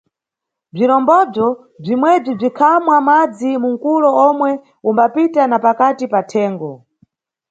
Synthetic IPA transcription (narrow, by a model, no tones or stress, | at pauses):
b͡ʐiɾɔmbɔb͡ʐɔ | b͡ʐimwɛb͡ʐib͡ʐikʰamwamad͡zimuŋ̩kulɔɔmwɛ | umbapitanapakatipatʰɛːŋɡɔ